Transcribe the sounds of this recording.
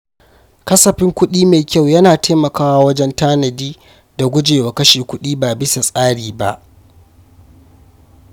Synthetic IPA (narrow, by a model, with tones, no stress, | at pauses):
kɐ˦sɐ˨ɸɪ˦ŋkʷʊ˦ɗiː˦meː˨kʲa˦˨wjɐ˦naː˨tʰeː˦mɐ˨kaː˦waː˦wɐ˦d͡ʒɛ˦ntaː˦nɐ˨diː˦ | da˨ɡʷʊ˦d͡ʒeː˨wa˨kɐ˦ʃeː˨kʷʊ˦ɗiː˦baː˨bɪ˦sa˨sʼaː˦ɽiː˨ba̰˦ʔ